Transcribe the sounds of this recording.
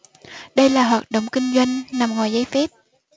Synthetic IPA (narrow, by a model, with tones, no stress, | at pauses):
ɗə˧jlaː˨˩ɦwaː˨˩t̚ɗo̰˨wŋ͡mkï˧ŋ̟zwa˧jŋ̟na˨˩mŋɔaː˨˩jzəː˨˦jfɛ˦˥p̚